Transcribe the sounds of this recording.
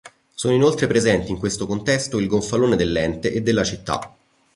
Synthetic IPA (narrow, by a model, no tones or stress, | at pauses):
soːnoinolt̪ɾepɾezɛnt̪iːŋkwest̪okont̪ɛst̪oilɡoɱfaloːned̪elːɛnt̪eʔed̪ːelːat͡ʃit̪ːa̰